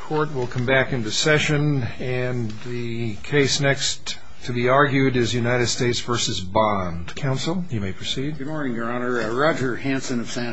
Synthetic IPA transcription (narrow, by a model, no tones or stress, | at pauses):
kʰɔɹt̚wəlˠkʰʌ̃mbækɨ̃nðɨsɛʃɨ̃n | ɨ̃n | ðɨ | kʰeɪsnɛkst | tʰɨbiɑɹɡjʉɾɪzjʉnaɪɾɨd̥steɪtsv̥ɜ˞sɨzbɑ̃ndkʰãʊ̃nsl̩ˠjɨmeɪpʰɹ̥ɨsid̥̚ɡɨd̚mɔɹnɪ̃ŋjə˞ɑnə˞ɹɑd͡ʒə˞hæ̃nsɨ̃nʌv̥sæ̃